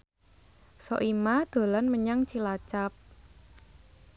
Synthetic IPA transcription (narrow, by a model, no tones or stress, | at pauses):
sɔʔimad̪̥o̤lanməɲaŋt͡ʃilat͡ʃap̚